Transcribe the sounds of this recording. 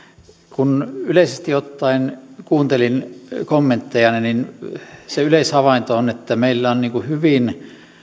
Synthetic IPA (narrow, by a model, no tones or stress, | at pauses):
kunyleˑisest̪iot̪ːɑinkuːnt̪elinkomːent̪ːejɑnininseyleishɑʋɑint̪oonet̪ːæmeilːæonniːŋkuhyʋin